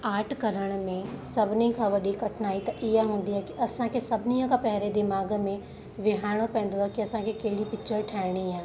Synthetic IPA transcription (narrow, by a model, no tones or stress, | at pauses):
aːɾʈʰkɐɾəɽ̃mẽsɐbnikʰãʋɐɗikɐʈʰnaːit̪ɐʔɪjaɦũːn̆d̪iɦɛkiɐsãkʰesɐbʱnijãkapɛɦɾed̪ɪmaːɡmẽ | ʋɪɦaːɽ̃opɛ̃ːn̆d̪oɦɛkiɐsãkʰekeɦɽipɪt͡ʃʃʰəɾʈʰɛːɽ̃iãː